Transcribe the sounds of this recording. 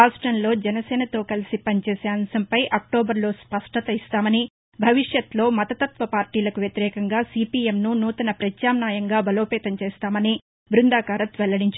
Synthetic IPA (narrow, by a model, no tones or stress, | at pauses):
aːsʈɾɐnlo̞ːd͡ʒɛnɐsɛːnɐt̪o̞ːkɐlisipɐnit͡ʃeːseːɐmsɐmpɐjʔɐk̚ʈoːbɐɾlo̞ːspɐʂʈɐt̪ɐist̪aːmɐni | bʱɐʋiʂjɐt̪lo̞ːmɐt̪ɐt̪ɐt̪ʋɐpaːɾʈiːlɐkuʋjɐt̪iɾɛːkɐŋɡaːsiːpiːemnunuːt̪ɐnɐpɾɐt͡ʃjaːmnaːjɐŋɡaːbʱɐlo̞ːpɛːt̪ɐɲt͡ʃeːst̪aːmɐni | bɾund̪aːkaːɾɐt̪ʋɛlɐɽiɲt͡ʃ